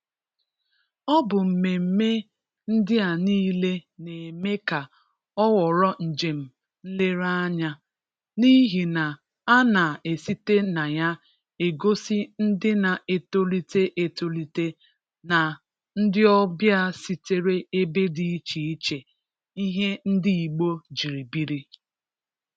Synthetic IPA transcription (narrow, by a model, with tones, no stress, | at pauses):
ɔ˦bʊ˨m̩˨me˨m̩˦˨me˦ | n̩˦dɪ˦a˨niː˦le˦ne˨me˦ka˨ | ɔ˦wɔ˨ɾɔ˦n̩˨d͡ʒe˨m̩˨ | n̩˦le˦ɾa˦ɲa˦ | ni˦ɦi˨na˨ | a˦na˨e˨si˦te˦na˨ja˦ | e˨ɡo˦si˦n̩˦dɪ˦na˨e˨to˦li˦te˦ʔe˨to˦li˦te˦ | na˨ | n̩˦dɪ˦ɔ˦bja˦si˦te˦ɾe˦e˦be˦di˨˦i˦t͡ʃi˨i˦t͡ʃe˨ | i˦ɦe˦n̩˦di˦i˨ɡ͡bo˦d͡ʒi˨ɾi˨bi˦ɾi˦